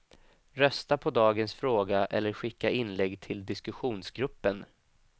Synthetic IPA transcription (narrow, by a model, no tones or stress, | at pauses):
ɾœst̪apʰɔd̪ɑːɡənsfɾoːɡaʔɛlːəɾɧɪkːaɪnlɛɡːt̪ʰɪld̪ɪskɵɧuːnsɡɾɵpːən